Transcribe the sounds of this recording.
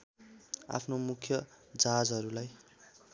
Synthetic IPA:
a̰pʰnomukʰjʌd͡zad͡zɦʌɾulaj

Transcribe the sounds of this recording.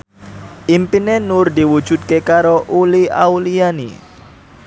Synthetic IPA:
ʔimpinenʊrd̪i̤wud̥ʒ̥ṳt̪̚kekaɾoʔulia̰ulianḭ

